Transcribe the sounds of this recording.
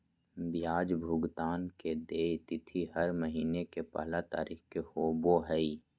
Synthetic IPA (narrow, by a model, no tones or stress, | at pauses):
bjaːd͡ʒbʱʊɡt̪aːnked̪eːt̪ɪt̪ʰiɦəɾməɦiːnekepə̰ɦlat̪a̰ːɾiːxkehoːboɦɛi